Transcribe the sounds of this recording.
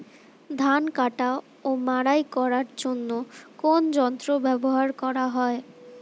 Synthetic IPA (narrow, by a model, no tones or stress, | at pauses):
d̪ʱankaʈa | omaɽajkɔɾaɾd͡ʑonːokond͡ʑɔnt̪ɾobɛboɦaɾkɔɾaɦɔe